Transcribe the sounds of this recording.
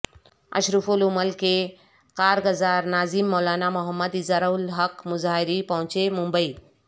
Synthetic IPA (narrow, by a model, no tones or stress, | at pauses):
ɐ̰ʃɾufulumɐlke | kaːɾɡɐzaːɾnaːzimːɔːlaːnamuɦəmːəd̪izaɾɐulɦɐkmʊzaːɦiɾipɐɦũt͡ʃemũmbəi